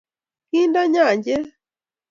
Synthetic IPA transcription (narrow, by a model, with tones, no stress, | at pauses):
ki˦nda˦ɲã˦˨ɲɟɛ˦